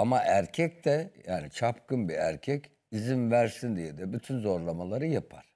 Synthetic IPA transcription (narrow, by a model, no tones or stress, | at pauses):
amaʔæɾcʰɛct̪ɛjaːnit͡ʃʰapkɯnbiæ̰ɾcʰɛc | izimvæɾsind̪ijɛd̪ɛbyt̪ʰynzo̞ɾlˠamalˠaɾɯjapʰaɾ̥